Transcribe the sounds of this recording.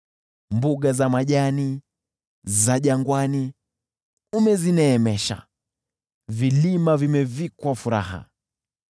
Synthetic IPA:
mbuɡazamaʄani | zaʄaŋɡwani | umɛzinɛːmɛʃa̰ | vilimavimɛvikwafuɾa̰ɦa̰

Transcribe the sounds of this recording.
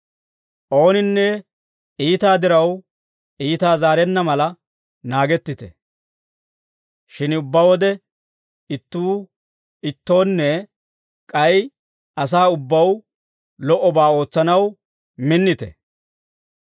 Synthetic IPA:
ʔo̞ːnɪnːɛ | ʔiːt̪aːd̪ɪɾɐw | ʔiːt̪aːzaːɾɛnːɐmɐlɐ | naːɡɛt̪ːɪt̪ɛ̰ | ʃɪnʊbːɐwɔd̪ɛ | ɪt̪ːuː | ɪt̪ːo̞ːnːɛ | kʼɐj | ʔɐs̬aːʊbːɐw | lɔʔɔbaːo̞ːt͡sːɐnɐw | mɪnːɪt̪ɛ̰

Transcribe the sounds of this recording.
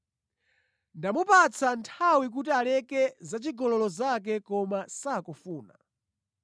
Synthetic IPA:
ndamupat͡sʰantʰawik̬utialɛkɛzat͡ʃiɡɔlɔlɔzak̬ɛkɔmasakɔfuːna̰

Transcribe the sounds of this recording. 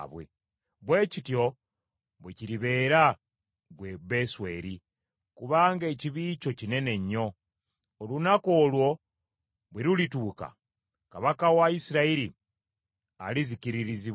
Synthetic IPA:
βwḛ | βwe̞ːcitjo̞ | βweciɾiβe̞ːɾa | βweβe̞swe̞̰ːɾi | kuβaːŋɡe̞ːciβiːt͡ʃo̞cine̞ne̞ɲːo̞ː | lunako̞ːlwo̞ | βweɾulituːka̰ | kaβakawaisiɾaiɾi | a̰liziciɾiɾizi

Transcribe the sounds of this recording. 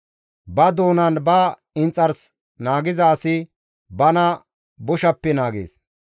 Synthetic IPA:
bɐd̪oːnɐnbɐ | ɪnt͡sʼːɐɾs | naːɡɪzɐːsɪ | bɐnɐ | bʊʃɐpːɛnaːɡḛːs

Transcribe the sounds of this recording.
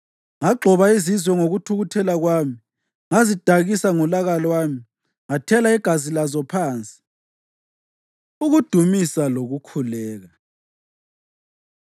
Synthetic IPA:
ŋaɡ͡ǃʱɔβaizizwɛŋoɣutʰuɣutʰɛlaɣwaːmi | ŋazid̥ʱaɣisaŋɔlaɣalwaːmi | ŋatʰɛlaiɡ̥ʱazilazɔpʰaːnt͡sʼi̥ | uɣud̥ʱumisaloɣukʰulɛːɣa

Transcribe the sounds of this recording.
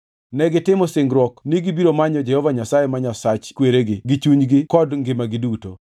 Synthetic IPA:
nɛɡɪtɪmɔsɪŋɡɾwɔkniɡibiɾomaɲɔd͡ʒɛhɔvaɲasajemaɲasat͡ʃkweɾeɡɪɡit͡ʃuɲɡɪkɔdŋɡɪmaɡɪduto̰

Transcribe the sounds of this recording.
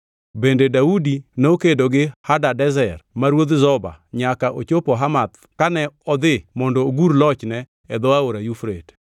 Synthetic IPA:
bendedaudinokedoɡɪhadadɛzɛrmaɾwod̪zɔba̰ɲakaʔot͡ʃopoɦamat̪ | kanɛɔd̪ɪmɔndɔːɡuɾlɔt͡ʃnɛ | ɛd̪ɔaoɾajufɾḛt

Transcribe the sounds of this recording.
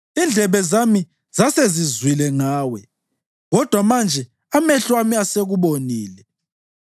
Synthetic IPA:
ind͡ɮʱɛβɛzami | z̥asezizwilɛŋaːwɛ | ɣɔd̥ʱwamand͡ʒʱɛ | amɛɬwamiaseɣuβoniːlɛ

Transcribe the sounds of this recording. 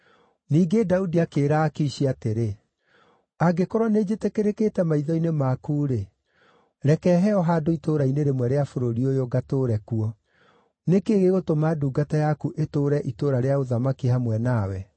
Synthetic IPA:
niːɡedaudiakeːɾaːkeiɕiateɾe | aɡekɔɾɔned͡ʑetekeɾeketɛmaiðɔinemakuːɾe | ɾɛkɛɦɛɔɦadoitoɾaineɾemwɛɾeafoɾoɾiojoɡatoːɾɛkuɔ | nekeːɣeɣotomaduːɡatajakuʔetoːɾɛʔitoɾaɾeaoðamakihamwɛnawɛ

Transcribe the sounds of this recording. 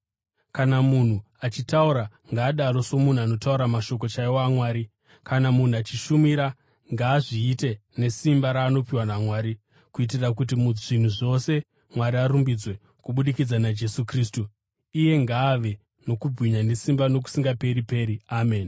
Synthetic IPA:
kanamun̤u | at͡ʃitauɾa | ŋɡaːɗaɾo̞so̞mun̤uano̞tauɾamaʃo̞k̬o̞t͡ʃaiwamwaːɾi | kanamun̤uat͡ʃiʃumiɾa | ŋɡaːʐiːte̞ne̞simbaɾaːno̞piwanamwaːɾi | kuit̬irak̬ut̬imuʐin̤uʐo̞se̞ | mwaɾiaɾumbid͡zwe̞ | kuɓuɗikid͡zanad͡ʒe̞sukriːstu | ije̞ŋɡaːʋe̞ | no̞kubwiɲane̞simbano̞k̬u̥siŋɡape̞ɾipe̞ːɾiame̞ːn

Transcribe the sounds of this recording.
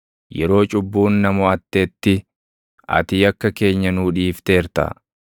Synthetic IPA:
jɛɾo̞ːt͡ʃʼʊbːuːnːɐmʊɐt̪ːe̞ːt̪ːɪ | ɐ̰t̪ɪjɐkːɐke̞ːɲːɐnuːᶑiːft̪e̞ːɾt̪ɐ̰

